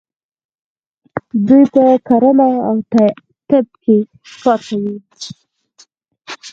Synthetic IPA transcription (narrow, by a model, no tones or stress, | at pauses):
d̪ujpəkaɾəmaawt̪a | t̪ɪb̚ke | pɑt̪awi